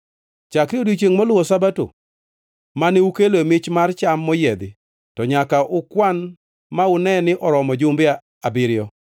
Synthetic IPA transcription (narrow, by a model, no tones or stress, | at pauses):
t͡ʃakɾiodut͡ʃeŋmɔlʊwɔsabato̰ | maneukeloemɪt͡ʃmart͡ʃamːɔjɛd̪ɪ | tɔɲakaʔʊkwan | maʊnɛnɪʔɔɾɔmɔd͡ʒʊmbɪa | abɪɾɪjɔ